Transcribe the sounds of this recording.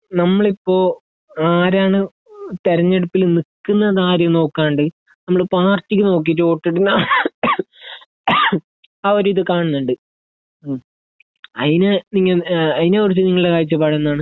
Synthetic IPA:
nɐmːɐɭipːo̞ː | aːɾaːɳɨ | t̪eɾɐɲːe̞ɽupːilnikːunːɐðaːɾjɐmno̞ːkːaːnɳɖɨ | nɐmːɐɭipːoaːrtːikʲːɨno̞ːk̬ːijʈːɨo̞ːʈːiʈːunːa | aːoɾuiðɨkaːɳunːuɳɖɨ | ɐ̰ðineniŋːɐɐðineoɾut͡ɕːiniŋːɐɭiɽekaːjit͡ɕːɨpɐɽɐnːðaːɳɨ

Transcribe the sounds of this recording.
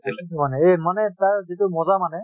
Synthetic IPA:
iitumanɛemanɛtaɹzitʊmɔzamanɛ

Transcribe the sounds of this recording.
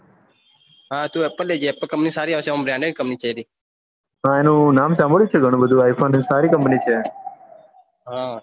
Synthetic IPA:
ɦãːt̪ũːɛpəled͡ʒɛpəlkə̃mpnisaːɾiaʋseəmbɾãɳɖeɖkəmpnit͡ʃʰəɾiː | ɦãːenũnaːmsãməɭjũt͡ʃʰeɡʱəɽ̃ũbəd̪ʱũaːjpʰoːnsaːɾikəmpnit͡ʃʰeː | ɦã

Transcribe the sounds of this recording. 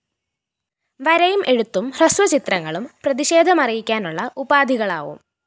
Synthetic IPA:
ʋɐɾɐjumʔe̞ɻut̪ːumrɐsʋɐt͡ɕit̪rɐŋːɐɭumprɐðiɕe̞ːd̪ʱɐmɐrijikʲːaːnuɭːɐʔubaːd̪ʱiɣɐɭa̰ːʋṵm

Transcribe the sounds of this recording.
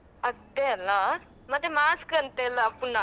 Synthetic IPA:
əd̪eəlã | mɐt̪emaːskənt̪elãpunã

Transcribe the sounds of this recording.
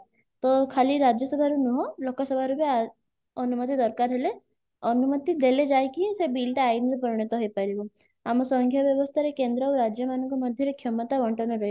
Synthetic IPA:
t̪ɔkʰaliɾad͡ʒjɔsɔbʱaɾunuɦɔlɔkːasəbʱaɾubea | ɔnumət̪̬id̪ɔɾkaɾɦele | ɔnumət̪id̪eled͡ʒaekiĩsebilʈeainɾɔpəɾiɳ̃et̪ɔɦepaɾibu | amɔsɔ̃ŋkʰjaʋjəʋɔst̪ʰaɾekẽnd̪ɾauɾad͡ʒjəmanukɔməd̪ʱjeɾekʰjɔmət̪aʋɔɳʈɔnɔɾɔi

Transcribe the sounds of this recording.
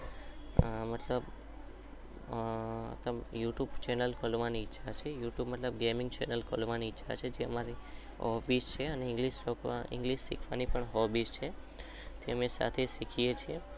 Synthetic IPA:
mət̪ləb | t̪əjuʈjubt͡ʃɛnəlkʰəlʋaniɪtːʃʰat͡ʃʰejuʈjubmət̪ləbɡemɪ̃ŋɡt͡ʃɛnəlkʰəlʋaniɪtːʃʰa̰t͡ʃʰed͡ʒeə̰maɾi | ɦɔfist͡ʃʰeəneɪ̃ŋɡliʃoka̰ɪ̰ŋɡliʃːḭkʰʋanipəɳɦɔbist͡ʃʰe | t̪ʰeəmesa̰t̪ʰeʃikʰijet͡ʃʰie

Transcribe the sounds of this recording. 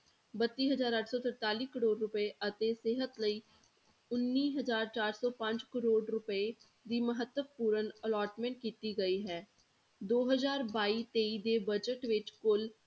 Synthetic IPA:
bət̪ːiːɦəzaːɾəʈʰsɔːt̪əɾt̪aːliːkəɾoːɖɾʊpəeʔət̪eːseɦət̪ləiː | ʊnːiːɦəzaːɾt͡ʃaːɾsɔːpə̃ɲd͡ʒkəɾoːɖɾʊpəe | d̪iːməɦət̪ːəpuːɾənəlaːɾʈmɛ̃ɳʈ̚kiːt̪iːɡəiːɦɛː | d̪oːɦəzaːɾbaːiːt̪eːiːd̪eːbəd͡ʒəʈʋɪt͡ʃkʊl

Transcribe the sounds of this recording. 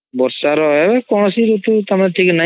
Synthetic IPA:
bɔɾsaɾɔɛbɛkɔɽ̃ɔsiɾut̪ut̪amanɛʈʰikna

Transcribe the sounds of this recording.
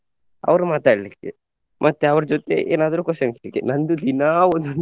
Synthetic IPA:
ɐ̰ʋɐɾumaːt̪aːɽɐlikːe | mʔɐt̪ːeɐʋɐɾɐd͡ʒɔt̪ḛʔḛːnaːd̪ɐɾuːkɔsɐnkelikːenɐnd̪ud̪inaːond̪ɐn

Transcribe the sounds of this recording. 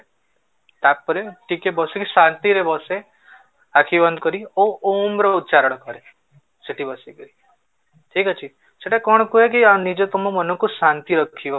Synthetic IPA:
t̪apːəɾeʈikebɔsekisãnt̪iɾebɔse | akʰibənd̪kɔɾioomɾɔut̪ːt͡ʃaɾəɽ̃kɔɾe | seʈibəsiɡəi | ʈʰikat͡ʃʰi | seʈekɔɳ̃kuɦek̬ianid͡ʒot̪ɔmomɔnũkusant̪iɾəkkʰiʋo

